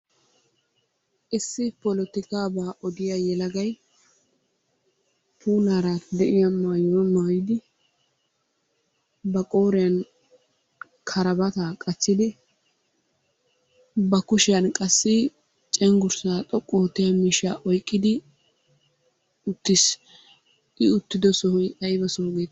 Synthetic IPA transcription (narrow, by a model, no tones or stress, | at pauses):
ʔɪsːɪpɔlɔt̪ɪkaːbaːʔɔd̪ɪjajɛlɐɡɐj | pʰuːnaːɾaːt̪d̪ɛʔɪjamaːjoːmajɪd̪ɪ | bɐkʼo̞ːɾɪjɐn | kʰɐɾɐbɐt̪aːkʼɐt͡sːɪd̪ɪ | bɐkʊʃɪjɐnkʼɐsːɪ | t͡ʃʼɛŋɡʊɾsaːt̪ʼɔkʼːoːt̪ːɛjamiːʃaːʔɔjkʼːɪd̪ɪ | ʊt̪ːɪs | ʔɪʊt̪ːɪd̪ɔsɔhʊjt̪ʼɐjɪbɐsɔhʊɡeːt̪